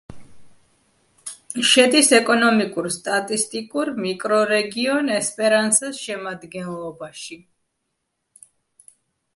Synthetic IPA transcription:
ʃɛd̪isɛkʼɔnɔmikʼuɾst̪ʼat̪ʼist̪ʼikʼuɾmikʼɾɔɾɛɡiɔnɛspʼɛɾansɛsʃɛmad̪ɡɛnlˠɔbaʃi

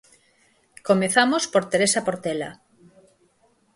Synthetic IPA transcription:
komeθamospoɾt̪eɾesapoɾt̪ela̰

